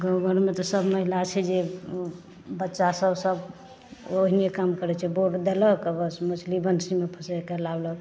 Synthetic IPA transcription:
ɡəwbəɾmet̪ɔsəbməɦilat͡ʃʰɛd͡ʒe | bətːʃasəbsəb | oɦinekamkəɾɛt͡ʃʰɛboɾʈd̪eləɦkəbəsmət͡ʃʰlibənsimepʰəsɛkelablək

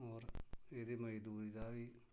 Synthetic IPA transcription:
ɔːɾeːd̪iːmɐd͡ʒd̪uːɾid̪aːʋiː

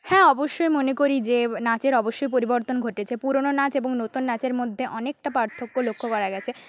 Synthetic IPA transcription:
hɛ̃ɔboʃːojmonekoɾid͡ʑenat͡ɕeɾɔboʃːojp̬oɾiboɾt̪onɡʱoʈet͡ɕʰepuɾononat͡ɕeboŋnot̪unːat͡ɕeɾmod̪ʱːeʔɔnek̚ʈapaɾt̪ʰokːolokʰːokɔɾaɡɛt͡ɕʰe

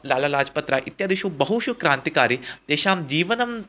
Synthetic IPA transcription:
laːlalaːd͡ʒpɐt̪ɾaʔit̪jaːd̪iʃuːbɐɦuʃukɾaːnt̪ikaːɾit̪eːʃaːmd͡ʑiːʋənɐm

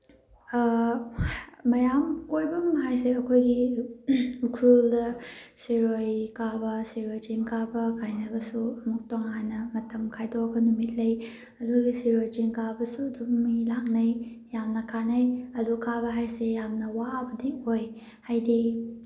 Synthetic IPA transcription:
mɐjamkojbɐmɦajseɐkʰojɡi | ukʰɾuldɐsiɾojkabɐsiɾojd͡ʒiŋkabɐkʰajnɐɡɐsuɐmuk̚toŋanːɐmɐtɐmkʰajdoɡɐnumit̚lɐj | ɐduɡisiɾojd͡ʒiŋkabɐsudumilaknɐj | jamnɐkʰanɐjɐdukʰaβɐɦajsejamnɐwabɐdioj | hajdi

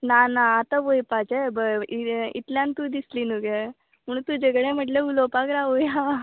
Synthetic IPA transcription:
naːnaat̪ɐʋojpaːt͡ʃebiḭʈljant̪ud̪islinuɡe | muɳut̪ud͡ʒɛɡɐɽemɐɖleuloːpaːɡɾaːʋuja

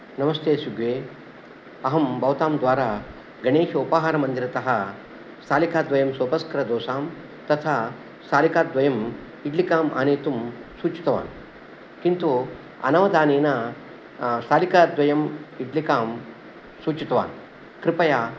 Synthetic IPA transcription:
nɐmɐst̪ʰeːsuɡʋeː | ɐɦɐmbɐʋt̪aːmd̪ʋaːɾaː | ɡɐɳeːʂɐupɐɦaːɾɐmɐnd̪iɾɐt̪ɐɦɐ̆ | sʰaːlikaːd̪ʋɐjɐmsoːpɐskɐɾɐd̪oːsaːm | t̪ɐt̪ʰaː | sʰaːlikaːd̪ʋɐjɐm | iɖlikaːma̰ːneːt̪umsuːt͡ʃi̥t̪ɐʋa̰ːn | kint̪u | ɐ̰nɐʋɐd̪aːneːnɐ | sʰaːlikaːd̪ʋɐjɐmiɖlikaːm | suːt͡ʃit̪ɐʋa̰ːn | kɾɪpɐjaː

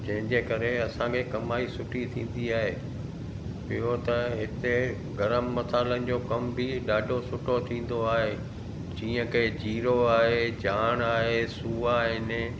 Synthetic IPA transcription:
d͡ʑɐ̃ɦɪ̃ɲd͡ʑeːkɐɾeɐsãkʰekɐmaːisʊʈʰit̪ʰĩːn̆d̪iaːɦeː | ɪɦot̪ɐɦɪt̪e | ɡɐɾəmːɐsaːɪlənɪ̆d͡ʑoːkɐmbʱiɗaːɖʱosʊʈʰot̪ʰĩːn̆d̪oaːɦe | d͡ʑĩːə̃ked͡ʑiːɾoaːɦed͡ʑaːɽ̃aːɦesuːaɦɪne

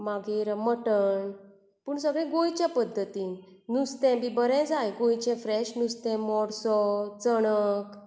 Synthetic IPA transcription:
maɡeɾməʈəɳ | puːɳsəɡɭɛ̃ɡojt͡ɕjapəd̪ʱːət̪i | nust̪ɛ̃bibəɾɛ̃d͡zajɡojt͡ɕɛ̃fɾɛɕnust̪ɛ̃mɔɽsɔt͡səɽ̃ək

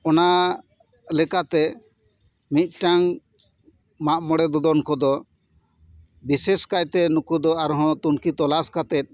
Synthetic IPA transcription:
ɔna | lɛkat̪ɛ | mit̪̚ˀʈaŋ | maʔmɔɽɛd̪ɔd̪ɔnkɔd̪ɔ | biseskact̪ɛnukud̪ɔaɾɦɔ̃t̪unkit̪ɔlaskat̪ɛt̪̚ˀ

